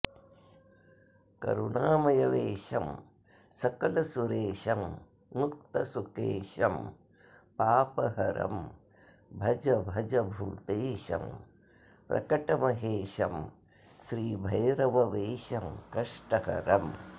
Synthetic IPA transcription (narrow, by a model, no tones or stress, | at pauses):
kɐ̰ɾuɳaːmɐjɐʋeːʃɐm | sɐkɐlɐsuɾeːʃɐm | nuk̚t̪ɐsukeːʃɐm | paːpɐɦɐɾɐ̰m | bʱɐd͡ʒɐbʱɐd͡ʒɐbʱṵːt̪eːʃɐ̰m | pɾɐ̰kɐʈɐmɐɦeːʃɐm | ʃɾiːbʱɐjɾɐʋɐʋeːʃɐmkɐʂʈɐɦɐ̰ɾɐm